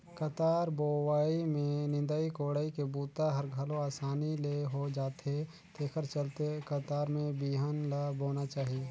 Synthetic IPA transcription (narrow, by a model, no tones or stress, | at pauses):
kət̪aːɾboːwaːimẽnɪ̃nd̪aːikoːɽaːikebuːt̪aɦəɾɡʱəlõaːsaːnileɦod͡ʒaːt̪ɦe | t̪ʰeːkʰəɾt͡ʃəlt̪ekət̪aːɾmẽbiɦənlaboːnat͡ʃaːɦie